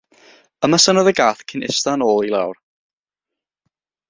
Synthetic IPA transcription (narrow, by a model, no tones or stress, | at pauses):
əmasənɔðəɡaːθkʰɪnɪ̰stanoːlˠilˠawr